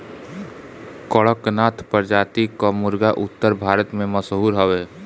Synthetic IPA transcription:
kəɭəknaːt̪ʰpəɾd͡ʒaːt̪ikomʊɾɡaʔʊt̪ːəɾbʱaːɾət̪mẽməsɦuːɾɦəʋeː

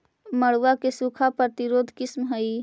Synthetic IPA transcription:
məɽʋakesukʰapɾət̪iɾoːd̪ʱkɪsmɦəi

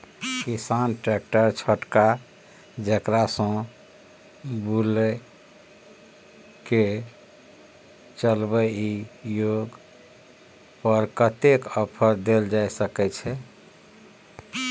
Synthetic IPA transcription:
kisanʈɾek̚ʈəɾt͡ʃʰəʈka | d͡ʒəkɾasə̃ | bulɛ | ke | t͡ʃəlbəijoɡ | pəɾkət̪ekəpʰəɾd̪eld͡ʒajsəkɛt͡ʃʰɛ

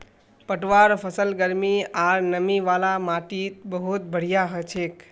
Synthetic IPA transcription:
pəʈʋaɾpʰəsəlɡəɾmiaɾnəmiʋalamaʈit̪bəɦut̪̚bʱəɽ̤ijaɦət͡ʃʰek

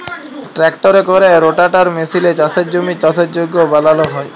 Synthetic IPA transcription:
ʈɾɛkʈoɾekoɾeɾoʈaʈaɾmesilet͡ɕaset̪̚d͡ʑomit͡ɕasʰet̪̚d͡ʑoɡːobalaloɦɔe

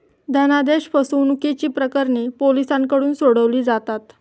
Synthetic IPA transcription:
d̪ʱənad̪eɕfəsuʋnuket͡ɕiːpɾəkəɾɳepolisãŋkəɽuːnsoɽəʋliːd͡zat̪at̪

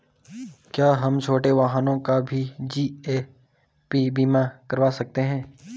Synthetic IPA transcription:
kjaːɦɐmt͡ʃʰoːʈeʋaɦanõkabʱid͡ʒiːe | pibiːmakɐɾʋaːsɐk̚t̪eɦɛ̃ː

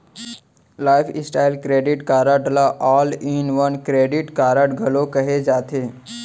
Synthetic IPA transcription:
laːɪfʰɪsʈaːɪlkɾeːɖɪʈkaːɾəɖlaʔɔːlĩnʋənkɾeːɖɪʈkaːɾəʈɡʱɐlokɐɦed͡ʒaːt̪ʰeː

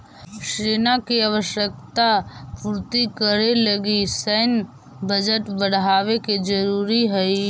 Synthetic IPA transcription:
ʃɾeːnakiaʋəʃjək̚t̪apuɾt̪ikəɾeləɡisən | bəd͡ʒəʈbəɽɦaːweked͡ʒəɾuːɾiɦəi

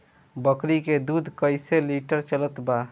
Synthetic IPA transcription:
bəkɾiked̪ud̪ʱkəɪseliʈəɾt͡ʃələt̪ba

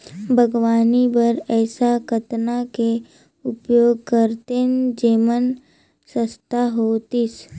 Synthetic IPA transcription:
bʱəɡʋaːnibəɾɛːsakət̪nake | ʊpjoːɡ̚kəɾt̪end͡ʒeːmən | səst̪ʰaɦoːt̪is

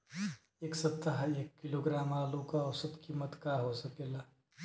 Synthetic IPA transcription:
eːksɐt̪ːaɦeːkːɪloːɡɾaːmaːlukaɔsɐt̪kiːmət̪kaɦosɐkeːlaː

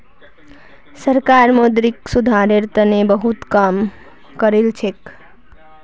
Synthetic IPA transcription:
səɾkaɾmod̪ɾiksud̪ʱaɾeɾt̪ənebəɦut̪kam | kəɾelt͡ʃʰek

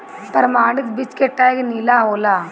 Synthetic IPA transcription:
t̪ɐɾmaːɽit̪bit͡ʃkeʈːaːjɡenilaɦoːlaː

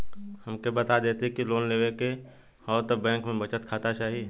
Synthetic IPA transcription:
hɐmkebɐt̪ad̪eːt̪ɦkiloːnleːʋeke | ɔːɾt̪əbɛ̃ːŋkmẽbɐt͡ʃət̪kʰaːt̪at͡ʃaːɦi

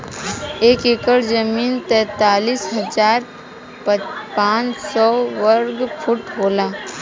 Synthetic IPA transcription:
eːkekəɽd͡ʒəmiːnt̪ɛ̃ːt̪aːliːsɦɐzaːɾ | pãːt͡ʃsɔːʋəɾɡfʰʊʈɦoːlaː

